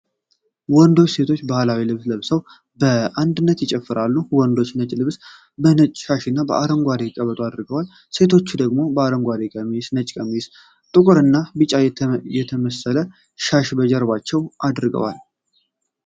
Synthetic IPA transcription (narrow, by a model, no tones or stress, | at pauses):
wɔnd̪o̞t͡ʃːse̞t̪ʰo̞t͡ʃːbahlawilɨβsləβsəw | bəand̪ɨnːət̪jɪt͡ʃʼɛfːɨɾalːuwɔnd̪o̞t͡ʃːnət͡ʃʼlɨβs | bənət͡ʃʼʃaʃɪnːabəʔaɾəŋɡʷad̪ekʼəβət̪ʼuad̪ɾɨɡəwal | se̞t̪ʰo̞t͡ʃːud̪əɡmo̞bəaɾəŋɡʷad̪ekʼəmijsnət͡ʃʼkʼəmijs | t̪ʼɨkʼɨɾɨnːabɨt͡ʃʼajɛt̪ʰəməsələ | ʃaʃbəd͡ʒɛɾbat͡ʃːɛwad̪ɾɡə̰wa̰l